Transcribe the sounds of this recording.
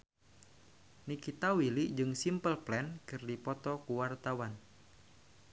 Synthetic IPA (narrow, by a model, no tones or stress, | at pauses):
nikit̪awiliʔd͡ʒɨŋsimpəlplɛnkɨrdipɔt̪ɔkuwart̪awan